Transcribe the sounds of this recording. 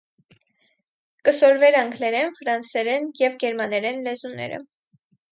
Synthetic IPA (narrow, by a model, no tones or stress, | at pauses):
kəsɔɾvɛɾɑŋɡʰlɛɾɛnfɾɑnsɛɾɛnjɛvɡɛɾmɑnɛɾɛnlɛzunɛ̰ɾə̰